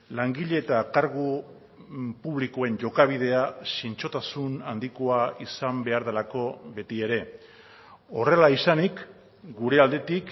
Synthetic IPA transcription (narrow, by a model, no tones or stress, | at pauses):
laŋɡiʎe̞ːt̪akaɾɣu | puβlikoe̞ɲʝo̞kaβ̞ið̞e̞asint͡ʃo̞t̪asunand̪ikoaisambe̞aɾðelako̞βe̞t̪ie̞ɾe̞ | o̞re̞laisanik | ɡuɾe̞ald̪e̞t̪ik